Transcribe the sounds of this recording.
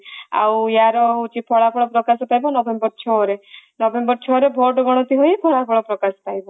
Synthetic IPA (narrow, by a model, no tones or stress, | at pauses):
a̰wjaɾɔut͡ʃipʰɔɽapʰɔɽ̃ɔpɾɔkasɔpajbɔnɔbembɔɾt͡ʃʰɔɾenɔbembɔɾt͡ʃʰɔɾebʱɔʈɔɡɔɽ̃ɔt̪iɦojpʰɔɭapʰɔɽ̃ɔpɾɔkasɔ̥pajbɔ